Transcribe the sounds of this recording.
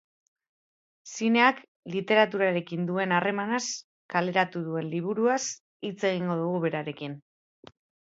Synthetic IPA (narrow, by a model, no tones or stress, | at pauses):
sine̞ak | lit̪e̞ɾat̪̬uɾaɾe̞kind̪ue̞nare̞manas | kale̞ɾat̪uðue̞nliβ̞uɾuas | it͡se̞ɣ̞iŋɡo̞ðuɣuβe̞ɾaɾe̞kin